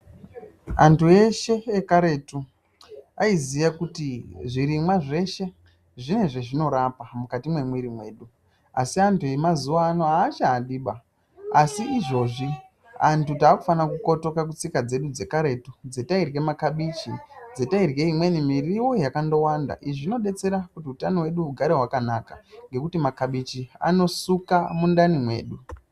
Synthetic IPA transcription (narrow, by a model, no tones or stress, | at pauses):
a̰ntue̞ʃe̞ːkaɾe̞tu | aizijakutiʐiɾimwaʐe̞ʃe̞ | ʐine̞ʐeʐino̞ɾapamukatimwe̞mwiɾimwe̞ːɗu | a̰siantue̞mazuʋaːno̞aːt͡ʃaːɗiɓa | asiːʐo̞ːʐi | a̰ntutaːkufanakuko̞to̞kak̬ut͡sikad͡ze̞ɗud͡ze̞kaɾe̞tud͡ze̞tairɡe̞makaɓit͡ʃid͡ze̞tairɣe̞imwe̞nimiriwo̞jakando̞wanda̰ʔiʐino̞ɗe̞t͡se̞ɾakutiutanowe̞ɗuuɡʱaɾeɦwakanaka̰ŋɡe̞kutimakaɓit͡ʃia̰no̞sukamundanimwe̞̰ːɗu